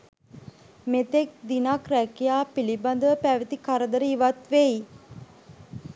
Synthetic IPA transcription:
met̪ek̚d̪inakrækijaːpiliband̪əʋəpæʋit̪ikaɾəd̪əɾəiʋat̪ʋei

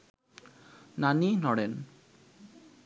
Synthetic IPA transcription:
naninɔɽen

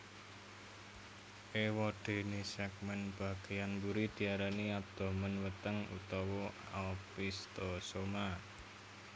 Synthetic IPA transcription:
ʔewɔɖ̪̥e̤nisɛk̚mɛnb̥ä̤ɡ̥ejanbuɾid̪̥i̤aɾaniap̚d̪̥ɔ̤mənwət̪əŋṵt̪ɔwɔ | a̰pist̪osoma

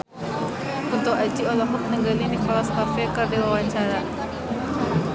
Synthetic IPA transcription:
unt̪ʊkad͡ʒiɔlɔɦɔk̚nəŋɡalinikɔlaskafɛkərdiwawaɲt͡ʃaɾa

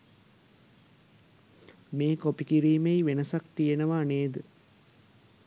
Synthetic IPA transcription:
meːkopikiɾiːmejʋenəsakt̪ijenəʋaneːd̪ə

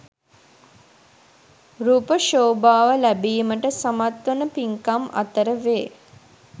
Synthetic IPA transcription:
ɾuːpəʃoːbaːʋəlæbiːməʈəsamat̪ʋənəpiŋkama̰t̪əɾəʋeː

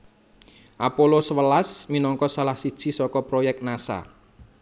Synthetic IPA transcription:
ʔapolosəwəlasminɔŋkɔsalahsid̥ʒ̥i̤sɔkɔpɾojɛk̚t̪̚nasa̰

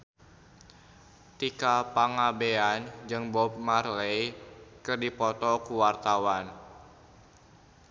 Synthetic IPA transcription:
t̪ikapaŋabeand͡ʒɨŋbɔb̚marlejkɨrdipɔt̪ɔkuwart̪awan

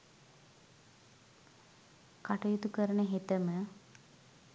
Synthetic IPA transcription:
kaʈɐjut̪ukəɾənəɦet̪əmə

